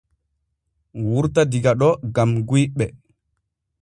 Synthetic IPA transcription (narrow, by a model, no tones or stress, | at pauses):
wuɾtadiɡaɗɔɡamɡujɓɛ